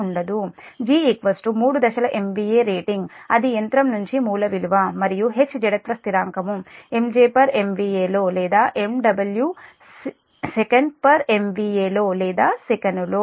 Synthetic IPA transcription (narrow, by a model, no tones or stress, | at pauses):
uɳɖɐd̪u | d͡ʒiːekʋɐsʈumuːɽud̪ɐʃɐlɐʔe̞mʋiːeːɾeːʈiŋɡɐd̪iɐnt̪ɾɐmnuɲt͡ʃimuːlɐʋiluʋɐmɐɾijuɦe̞t͡ʃːd͡ʒɐɽɐt̪ɾɐst̪iɾaːŋkɐmue̞md͡ʒeːpɐɾe̞mʋiːeːlo̞ːlɛːd̪aːʔe̞mɖɐbɐlju | sekɐɳɖpɐɾe̞mʋiːeːlo̞ːlɛːd̪aːsekɐnuloː